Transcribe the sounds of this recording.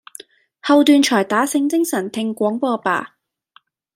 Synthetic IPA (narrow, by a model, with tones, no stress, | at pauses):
hɐ˧wt̪yː˧nt͡ʃʰɔː˨˩jt̪aː˨˥sɪ˧ŋt͡sɪ˥ŋsɐ˨˩nt̪ʰɪ˧ŋkʷɔː˨˥ŋpɔː˧pa̰ː˨˩